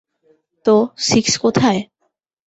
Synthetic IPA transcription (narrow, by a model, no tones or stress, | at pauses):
t̪osikskot̪ʰae